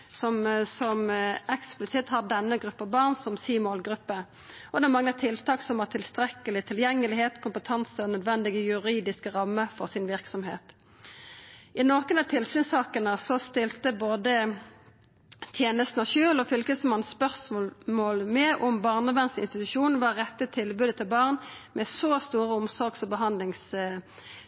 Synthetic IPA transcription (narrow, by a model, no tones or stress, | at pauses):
sɔmsɔmɛksplɪsɪt̪hɑʁd̪ɛnːəɡʁʉpːəbɑːʁnsɔmsiːmoːlɡʁʉpːə | ɔd̪ɛːmɑŋːət̪ʰɪlt̪ʰɑːksɔmɑːt̪ʰɪlst̪ʁɛkəlɪt̪ʰɪljɛŋːəlɪheːt̪kʰʊmpət̪ʰɑnsəɔnœd̪ʋɛnd̪ɪɡəjʉʁiːd̪ɪskəʁɑmːəfɔʁsɪnʋɪʁksɔmɦḛːt̪ | ʔɪnokənɑt̪ʰɪlsyːnsɑːkənəsɔst̪ɪlt̪əboːd̪ə | t̪ʰjeːnəst̪n̩əʃøːlɔfʏlkəsmɑnspœʁsmoːlmɛʔɔmbɑːʁnəbæʁnsɪnst̪ɪt̪ʉʃuːnn̩ʋɑʁɛt̪ːət̪ʰɪlbʉːd̪ət̪ʰɪlbɑːʁnmɛsoːst̪uːʁəʊmsɔɾɡsɔbəɦɑnd̪lɪŋs